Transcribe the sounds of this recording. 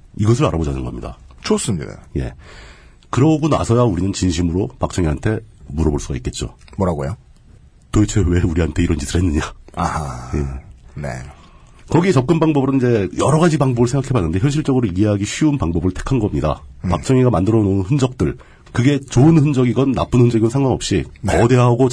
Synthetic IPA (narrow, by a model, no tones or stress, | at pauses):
iɡʌsʰɯɾaɾabod͡ʑanɯnɡʌmɲida̰t͡ɕʰos͈ɯmɲida̰je̞̰ | kɯɾʌɡona̰sʰʌjauɾinɯnt͡ɕinɕʰimɯɾopak̚t͡ɕ͈ʰʌŋiɦantʰe̞muɾʌboɭs͈uɡaik͈e̞t̚t͡ɕ͈o̰mwʌɾaɡojo | toet͡ɕʰeweuɾiɦantʰe̞iɾʌnd͡ʑisʰɯɾɦenːɯɲaahajeḛ | kʌɡie̞t͡ɕʌp̚k͈ɯnbaŋbʌbɯɾɯnid͡ʑe̞jʌɾʌɣad͡ʑibaŋbʌbɯɭsʰe̞ŋɡakʰe̞banːɯnde̞çjʌnɕ̬ʰiɭt͡ɕ͈ʌɡɯɾoieɦaɡiɕʰiunpaŋbʌbɯɭtʰe̞̥kʰanɡʌmɲida̰pak̚t͡ɕ͈ʰʌŋiɡamandɯɾʌnounɸɯnd͡ʑʌk̚t͈ɯɭ | kɯɡe̞t͡ɕoɯnhɯnd͡ʑʌɡiɡʌnːa̰p͈ɯnhɯnd͡ʑʌɡiɡʌnsʰaŋɡwaŋʌ̰p̚ɕ͈ikʌde̞ɦaɡo